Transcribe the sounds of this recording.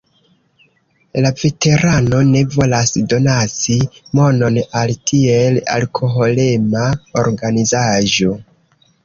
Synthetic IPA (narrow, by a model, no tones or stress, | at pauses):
lave̞te̞ɾano̞ne̞vo̞lasdo̞nat͡simo̞no̞naltʰie̞la̰lkʰo̞ɦo̞le̞maoɾɡanizaʒo̞